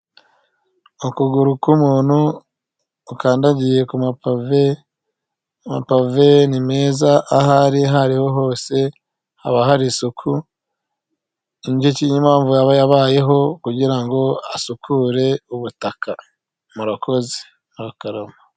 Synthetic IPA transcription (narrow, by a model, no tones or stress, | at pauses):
ukuɡuɾukumuːnhuː | kaːndaɟije̞kumapave | ma̰pave̞nime̞ːzaʔːhaɾiɦaɾiho̞ɦo̞ːse̞ | ha̰βaɦaɾisukʰu | iɲɟecijimaːɱvujaβajaβaːje̞ɦo̞kuɟiɾaŋɡo̞asukʰuɾe̞uβutaka | muɾakʰo̞ze̥ | muɾakaɾoma